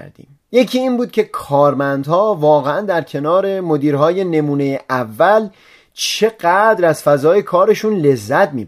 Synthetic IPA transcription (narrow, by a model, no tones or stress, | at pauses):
ɾd̪ḭːm | je̞cʰiiːnbuːd̪̚kʲʰe̞kʰɒːɾmænd̪hɒːvɒːɣeænd̪æɾcʰe̞nɒːɾe̞mo̞d̪iːɾɦɒːje̞ne̞muːne̞jeʔævːæl | t͡ʃʰe̞ɢæd̪ɾæz̥fæzɒːje̞kʰɒːɾe̞ʃunle̞zːæt̪̚ʰmiːb